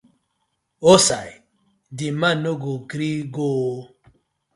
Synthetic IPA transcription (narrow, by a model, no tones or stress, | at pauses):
osai | dimanoɡoɡɾiɡo